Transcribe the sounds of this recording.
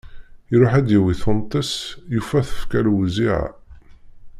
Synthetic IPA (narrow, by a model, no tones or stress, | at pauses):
jɾʊħæd̪jiwiθont̪ˤːəsjufæθə̥fkælwziʕa̰